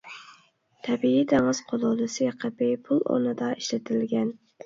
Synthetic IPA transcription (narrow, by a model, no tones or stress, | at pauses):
t̪ʰɛbiid̪ɪŋɨz̥qʰolˠɑd̪ɨsɪqʰəbɪpʰulˠo̰ɾnɨd̪ɑʔiʃlɪt̪ʰɪlɡʲɛn